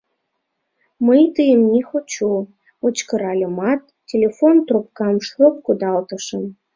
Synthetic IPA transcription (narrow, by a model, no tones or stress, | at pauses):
məjt̪ɨjəmnʲixot͡ɕu | ot͡ɕkɤ̆ɾɑlʲə̆mɑt̪ | tʲːelʲefont̪rup̚kɑmʃlop̚kud̪ɑlt̪ɤ̆ʃə̆m